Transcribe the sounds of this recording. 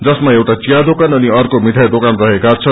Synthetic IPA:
d͡zʌsmaewʈat͡sijad̪okanʌniʌrkomiʈ̪ʰajd̪okanrʌɦekat͡sʰʌ

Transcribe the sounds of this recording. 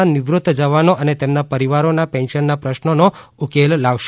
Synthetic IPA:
anɪʋɾut̪ːd͡ʒəʋanoʔənet̪emnapəɾiʋaɾonapɛ̃nʃənːapɾəʃnonoukellaʋʃ

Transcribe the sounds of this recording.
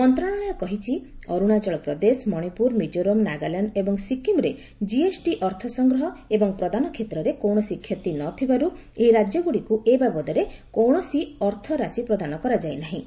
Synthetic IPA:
mɔnt̪ɾɔɽ̃ɔɭɔjɔkɔɦit͡ʃʰiɔɾuɽ̃at͡ʃɔɭɔk̚pɾɔd̪esmɔɽ̃ipuɾmid͡ʒoɾomnaɡalaɳɖebɔŋsikimɾe | d͡ʒiesʈiʔɔɾt̪ʰɔsɔŋɡɾɔɦɔebɔŋpɾɔd̪anɔkʰet̪ɾɔɾekowɳ̃ɔsikʰjɔt̪inɔt̪ʰibaɾu | eɦiɾad͡ʒjɔɡuɽikuʔebabɔd̪ɔɾekowɽ̃ɔsiɔɾt̪ʰɔɾasipɾɔd̪anɔkɔɾad͡ʒajnaɦĩ

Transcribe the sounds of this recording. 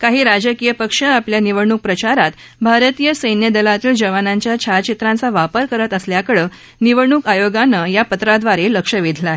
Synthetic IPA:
kaɦiːɾad͡ʑəkijəpəkʂəapljaniʋəɽɳuk̚pɾət͡ɕaɾat̪ | bʱaɾət̪ijəsəjnjəd̪əlat̪iːld͡ʑəʋanãɲt͡ɕjat͡ɕʰat͡ɕit̪ɾãnt͡saʋapəɾkəɾət̪əsljakəɭə | niʋəɽɳukajoɡanəjapət̪ɾad̪ʋaɾeləkʂəʋid̪ʱlaɦe

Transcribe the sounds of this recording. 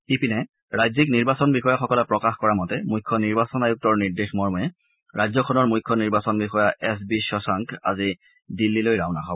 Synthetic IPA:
ipinɛ | ɹajzikniɹbasɔnbixɔjaxɔkɔlɛpɹɔkaxkɔɹamɔtɛmujkʰːɔniɹbasɔnajuk̚tɔɹniɹdexmɔɹmɛ | ɹajzɔkʰɔnɔɹmujkʰːɔniɹbasɔnbixɔjaʔɛs̬biʃɔsaŋkʰa̰zi | dilːilojɹawnaxʰabɔ

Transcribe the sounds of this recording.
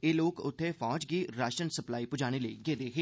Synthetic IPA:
eːloːkʊt̪ʰːefɔːd͡ʒkiɾaːʃʈɾənsɐplaːipʊd͡ʒaːñeleiɡeːd̪eːkʰe

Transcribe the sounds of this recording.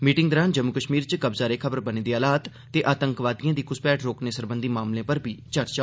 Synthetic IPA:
miːʈɪ̃ŋɡd̪əɾaːnd͡ʒəmːukəʃmiːɾt͡ʃkəbzaːɾeːkʰəbəɾbəneːd̪iːaːlaːt̪ | t̪eːʔaːt̪əŋkʋaːd̪ijãːd̪iːkʊspɛːʈɾoːkneːsəɾbənd̪iːmaːmlẽːpəɾbʱiːt͡ʃəɾt͡ʃaː

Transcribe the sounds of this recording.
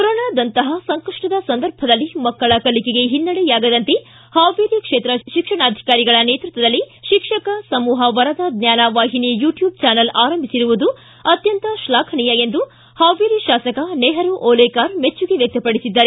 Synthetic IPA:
kɔɾoːnaːd̪ɐnt̪ɐɦɐsɐŋkɐʂʈɐd̪ɐsɐnd̪ɐɾbʱɐd̪ɐlːimɐkːɐɭɐkɐlikeɡe̞ɦinːɐɽɛjaːɡɐd̪ɐnt̪e | haːʋeːɾikʂeːt̪ɾɐʃikʂɐɳaːd̪ʱi̥kaːɾiɡɐɭɐneːt̪ɾut̪ʋɐd̪ɐlːiʃikʂɐkɐsɐmuːɦɐʋɐɾɐd̪ɐd̪njaːnaːʋaːɦinijuːʈjuːb̚t͡ʃaːnɐlaːɾɐmbʱisiɾuʋud̪u | ɐt̪jɐnt̪ɐʃlaːkʰɐɳijɐend̪u | haːʋeːɾiʃaːsɐkɐneɦɐɾuʔoːlekaːɾmet͡ʃːuɡeʋjɐk̚t̪ɐpɐɽisid̪ːɐɾe

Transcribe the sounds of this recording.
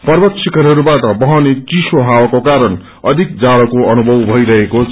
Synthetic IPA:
pʌrbʌt̪sʰikʌɾɦʌɾubaʈʌbʌɦʌnet͡sisoɦawakokaɾʌn | ʌd̪ʱik̚d͡zaɽʌkoʌnubʱʌwbʱʌjɾʌɦeko

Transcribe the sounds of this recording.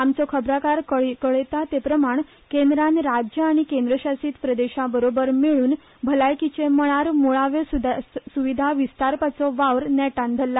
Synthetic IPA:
amt͡sɔkʰəbɾakaɾkəkəɭet̪at̪epɾəmaɳ | kend̪ɾãnɾad͡ʑjəaɽ̃ikẽnd̪ɾəɕasiːt̪pɾəd̪eɕabəɾobəɾmiɭuːn | bʱəlajkit͡ɕeməɭaɾmoɭaʋjɔsud̪suʋid̪ʱaʋist̪aɾpat͡sɔʋaʋɾnɛʈãnd̪ʱəlːa

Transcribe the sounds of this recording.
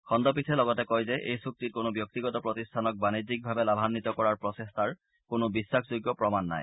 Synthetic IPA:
kʰɔnd̪ɔp̬itʰɛlɔɡɔtɛkɔjzɛʔejsuk̚tit̚konobjɔk̚t̪iɡɔtɔpɹɔtistʰanɔk̚banizik̚bʱabɛlabʱanːit̪ɔkɔɹaɹpɹɔsestʰaɹ | konobisːakʰzoɡjɔpɹɔmanːa̰j

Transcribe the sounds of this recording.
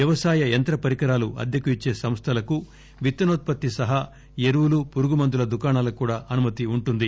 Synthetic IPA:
ʋjɐʋɐsaːjɐent̪ɾɐpɐɾikɐɾaːluʔɐ̰d̪jɐkuit͡ʃːe̞ːsɐmst̪ʰɐlɐku | ʋit̪ːɐnoːt̪̚pɐt̪ːisɐɦa | eɾuwulupuɾuɡumɐnd̪ulɐd̪ukaːɳaːlɐkuːɽaːʔɐnumɐt̪iuɳʈund̪i

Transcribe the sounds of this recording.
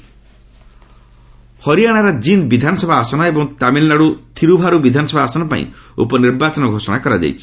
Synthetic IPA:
hɔɾijaɽ̃aɾɔd͡ʒind̪bid̪ʱanɔsɔbʱaːsɔnaebɔŋt̪amilnaɽut̪ʰiɾubʱaɾubid̪ʱanɔsɔbʱaːsɔnapa̰ḭ̃ṵpɔniɾbat͡ʃɔnɔɡʱosɔɽ̃akɔɾad͡ʒa̰jt͡ʃʰi̥

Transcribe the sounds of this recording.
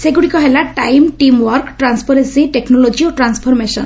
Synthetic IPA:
seɡuɽikɔɦelaʈajmʈimwɔɾkʈɾanspʰɔɾensiʈeknɔlod͡ʒioʈɾanspʰɔɾmesɔ̰n

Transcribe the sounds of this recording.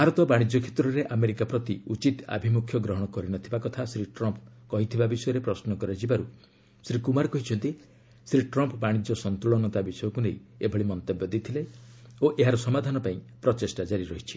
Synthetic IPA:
ɦaɾɔt̪ɔbaɽ̃id͡ʒɔkʰe̥t̪ɾɔɾeʔameɾikapɾɔt̪iut͡ʃit̪a̰bʱimukʰjɔɡɾɔɦɔɽ̃ɔkɔɾinɔt̪ʰibakɔt̪ʰasɾiʈɾɔmpkɔɦit̪ʰibabisɔjɔɾepɾɔsnɔkɔɾad͡ʒibaɾu | sɾikumaɾkɔɦit͡ʃʰɔnt̪i | sɾiʈɾɔmpbaɽ̃id͡ʒɔsɔnt̪uɭɔnɔt̪abisɔjɔkuneiebʱɔɭimɔnt̪ɔbjɔd̪it̪ʰileoʔeɦaɾɔsɔmad̪ʱanɔpaĩ | pɾɔt͡ʃesʈad͡ʒaɾiɾɔɦit͡ʃʰi̥

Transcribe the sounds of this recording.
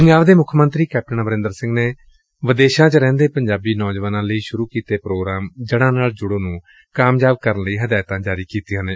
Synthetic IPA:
pəŋaːʋd̪eːmʊkʰmənt̪ɾiːkɛːp̚ʈənabəɾɪ̃nd̪əɾsɪ̃ŋɡneː | ʋəd̪eːʃãːt͡ʃəɾɛ̃ːnd̪eːpəɲd͡ʒaːbiːnɔːd͡ʒʋaːnãːləiːʃʊɾuːkiːt̪eːpɾoːɡɾaːmd͡ʒɪɽ̃ãːnaːɭd͡ʒʊɽoːnũː | kaːmjaːbkəɾənləiːɦəd̪aːt̪ãːd͡ʒaːɾiːkiːt̪ijãːneː

